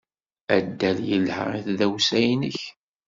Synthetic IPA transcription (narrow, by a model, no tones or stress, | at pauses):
æd̪ːæljəlhə̰ɾiθðæwsæjnəç